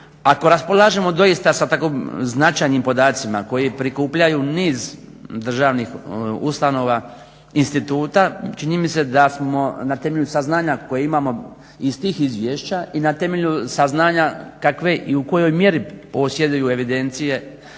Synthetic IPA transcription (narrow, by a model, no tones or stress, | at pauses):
ako̞ɾaspo̞lˠaːʒemo̞d̪o̞jist̪asat̪akomznat͡ʃajnimpo̞d̪aːt̪simako̞jipɾikuːpʎajuːniːzd̪r̩ʒaːʋnixṵst̪ano̞ːʋa | inst̪it̪uːt̪at͡ʃiɲimise̞d̪asmo̞nat̪e̞meʎʲusaznaːɲako̞jeimaːmo̞ | ist̪iːxizʋjeːʃt͡ɕaʔinat̪e̞me̞ʎusaznaːɲakakʋe̞ʔiuko̞jo̞jmje̞ɾipo̞sje̞d̪ujue̞ʋid̪e̞nt̪sije̞